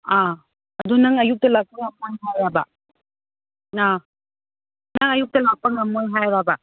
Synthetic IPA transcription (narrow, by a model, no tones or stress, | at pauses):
a | ɐdunɐŋɐjuk̚tɐlak̚pɐŋɐmojɦajabɐ | na | nɐŋɐjuk̚tɐlak̚pɐŋɐmojɦajɾabɐ